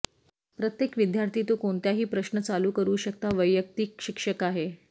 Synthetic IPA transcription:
pɾət̪jekʋid̪jaɾt̪ʰiːt̪okoɳt̪jaɦiːpɾəɕnət͡saluːkəɾuːɕək̚t̪aʋəjːək̚t̪iːkɕikʂəkaɦe

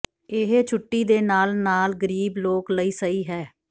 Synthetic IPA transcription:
ɪɦeːt͡ʃʰʊʈːiːd̪eːnaːlnaːlɡəɾiːbloːkləiːsəiːɦɛː

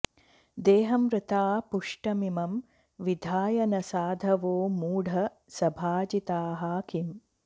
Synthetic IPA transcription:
d̪eːɦɐmɾɨt̪aːpuʂʈɐmimɐm | ʋid̪ʱaːjɐnɐsaːd̪ʱɐʋoːmuːɽʱɐ | sɐbʱaːd͡ʒit̪aːɦaːkʰim

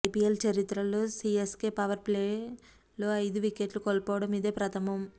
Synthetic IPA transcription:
pielt͡ʃɐɾit̪ɾɐlo̞ːsieskeːpɐʋɐɾpleː | lo̞ːɐjd̪uʋikeːʈlukolpɔːʋɐɽɐmid̪e̞ːpɾɐt̪ʰɐmɐm

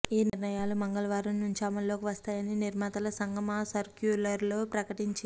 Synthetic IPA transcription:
iːniɾnɐjaːlumɐŋɡɐlɐʋaːɾunːuɲt͡ʃiɐmɐlo̞ːkiʋɐst̪aːjɐniniɾmaːt̪ɐlɐsɐŋɡʱɐmɐsɐɾkjuːɾlɐɾlo̞ːpɾɐkɐʈiɲt͡ʃi

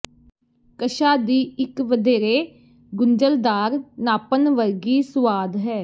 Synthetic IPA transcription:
kəʃaːd̪iːɪkʋəd̪eːɾeː | ɡʊɲd͡ʒəld̪aːɾnaːpənʋəɾɡiːsʊʋaːd̪ɦɛː

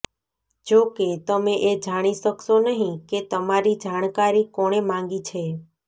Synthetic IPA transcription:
d͡ʒoket̪əmeʔed͡ʒaɽ̃isəksonəɦĩket̪əmaɾid͡ʒaɽ̃kaɾikɔɽ̃emãŋ̆ɡit͡ʃʰe

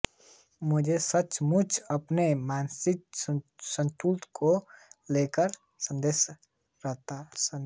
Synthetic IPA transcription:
mʊd͡ʒʱesət͡ʃmʊt͡ʃʰəpnemaːnsɪksə̃nt̪ult̪koleːkəɾ | sə̃nd̪eːs | ɾəɦt̪a

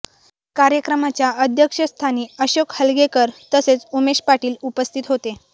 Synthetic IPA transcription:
kaɾjəkɾəmat͡ɕjaəd̪ʱjəkʂəst̪ʰaniːəɕokhəlɡekəɾt̪əset͡sumeɕpaʈiːlupəst̪ʰit̪ɦot̪e

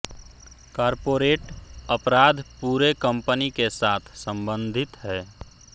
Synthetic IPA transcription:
kaːɾpoːɾeːʈəpɾaːd̪ʱpuːɾekəmpənikesaːt̪ʰsə̃mbə̃nd̪ʱɪt̪ɦɛː

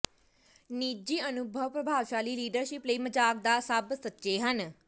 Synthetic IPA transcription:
niːd͡ʒiːənʊbʱəʋpɾəbʱaːʋʃaːliːliːɖəɾʃɪpləiːməd͡ʒaːk̚d̪aːsəbsətːʃeːɦən

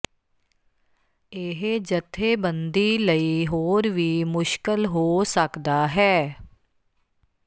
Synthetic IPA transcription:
eɦd͡ʒət̪ʰːeːbənd̪iːləiɦoːɾʋiːmʊʃkəlɦoːsəkd̪aːɦɛː

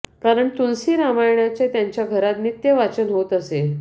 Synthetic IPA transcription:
kaɾəɳt̪unsiːɾamajɳjat͡ɕet̪jãɲt͡ɕjaɡʱəɾat̪nit̪jəʋat͡ɕənɦot̪əse

